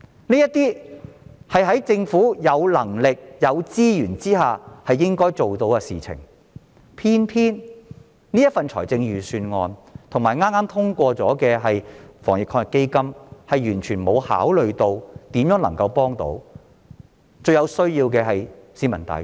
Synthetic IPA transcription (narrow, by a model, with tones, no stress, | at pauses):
niː˥jɐ˥t̪iː˥ | hɐ˨jɦɐ˨˥jt͡sɪ˧ŋfuː˨˥jɐ˨˧wlɐ˨˩ŋlɪ˨k̚jɐ˨˧wt͡siː˥jyː˨˩nt͡siː˥haː˨˩hɐ˨jːɪ˥ŋkɔː˥jt͡so˨wt̪o˧˨˥wkɛ˧siː˨t͡sʰɪ̰˨˩ŋ | pʰiː˥npʰiː˥n | niː˥jɐ˥t̚fɐ˨nt͡ʃʰɔ̰ː˨˩jt͡sɪ˧ŋjyː˨syː˧nŋɔː˧nt̪ʰʊ˨˩ŋmaː˨jŋaː˥maː˥mt̪ʰʊ˥ŋkʷɔː˧t͡sɔ̰ː˨˥kɛː˧ɦɐ˨jfɔ̰ː˨˩ŋjɪ˨kʰːɔː˧ŋjɪ˨kːe˥jkɐ˥mhɐ˨jyː˨˩nt͡ʃʰyː˨˩nmo˨˧wha̰ː˨˥wlɵ˨ɥt̪o˧wt̪iː˨˥mjœː˨˥ŋlɐ˨˩ŋkɐ˧wpɔː˥ŋt̪o̰˨˥w | t͡sɵ˧ɥjɐ˨˧wsɵ˥ɥjiː˧wkɛː˧ɦɐ˨jsiː˨˥mɐ˨˩nt̪ɐ̰˨˧j